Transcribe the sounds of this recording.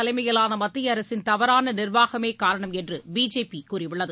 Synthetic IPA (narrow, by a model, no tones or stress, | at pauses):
ɐlɐɪmɐjɐlaːnɐmɐt̪ːɪjɐɐɾɐsɪnt̪ɐʋɐɾaːnɐnɪrʋaːɣɐmeːkaːɾɐɳɐmɛndrɯbiːd͡ʒeːpikuːrɪʋɪɭːɐðɯ